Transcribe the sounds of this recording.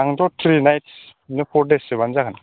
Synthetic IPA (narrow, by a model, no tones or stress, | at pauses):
aŋdɔtʰɾinajtsnepʰɔɾdesebanzaɡan